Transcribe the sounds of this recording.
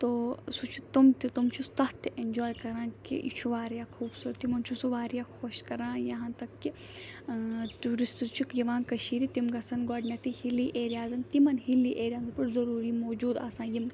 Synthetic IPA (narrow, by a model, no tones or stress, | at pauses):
t̪oːsut͡ʃʰu̥t̪umt̪it̪umt͡ʃʰust̪ɐt̪iʔend͡ʒoːjkɐɾãːkḭʔḭt͡ʃʰuʋaːɾijaːkʰuːbsuːɾɐt̪ːimɐnt͡ʃʰusuʋaːɾijaːxʰoːʃkɐɾãːjɐɦãːt̪ɐkːi | ʈuːɾistt͡ʃʰukjɐʋãːnkɐʃiːɾit̪imɡɐsɐnɡɔːɖnʲjat̪ihiliʔeːɾijaːzɐmt̪imɐnɦilːiʔeːɾijaːnzpuʈzɐɾuːɾimoːd͡ʒuːd̪a̰ːsãːjim